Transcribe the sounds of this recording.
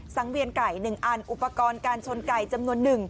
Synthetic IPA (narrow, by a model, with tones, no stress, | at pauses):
sa˨˩˦ŋwi˧ənka˨˩jnɯ˨˩ŋʔaː˧nʔu˨˩pːa˧kɔː˧nkaː˧nt͡ɕʰo˧nka˨˩jt͡ɕa˧mnu˧ənːɯ˨˩ŋ